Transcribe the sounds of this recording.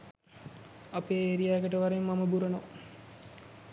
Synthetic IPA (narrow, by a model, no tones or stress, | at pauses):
apeːeːɾijaːɡəʈəʋaɾemːaməbuɾɐno